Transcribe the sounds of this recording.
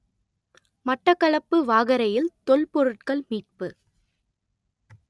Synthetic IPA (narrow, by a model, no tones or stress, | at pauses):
mɐʈːɐkːɐɭɐpːɯʋaːɣɐɾɐjɪlt̪ɔɭpɔɾɯʈ̚kɐɭmiːʈ̚pɯ